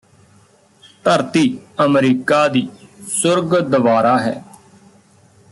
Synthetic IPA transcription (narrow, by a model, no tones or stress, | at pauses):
t̪əɾt̪iːəmɾiːkaːd̪iːsʊɾɡd̪əʋaːɾaːɦɛ̰ː